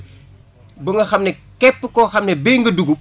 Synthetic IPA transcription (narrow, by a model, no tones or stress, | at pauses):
bɐŋɡɐxɐmnɛkɛpːəkɔxɐmnɛbiŋɡəduɡu